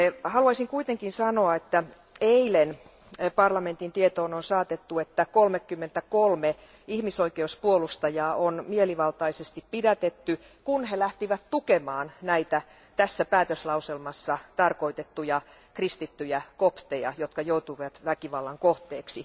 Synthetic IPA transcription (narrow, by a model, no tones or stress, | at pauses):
hɑluɑisiŋkuit̪eŋkinsɑnoɑet̪ːæ | eilen | pɑrlɑme̞nt̪int̪iet̪oːnonsɑːt̪et̪ːuet̪ːækolmekːymːent̪ækolmeihmisoikeuspuolust̪ɑjɑːʔonmieliʋɑlt̪ɑisest̪ippidæt̪et̪ːy | kunhelæht̪iʋæt̪t̪ukemɑːnnæit̪æ | t̪æsːæpæːt̪øslɑuselmɑsːɑt̪ɑrkoit̪et̪ːujɑ | krist̪it̪ːyjækopt̪ejɑ̰jot̪kɑjout̪uʋɑt̪ʋækiʋɑlːɑŋkoht̪eːksi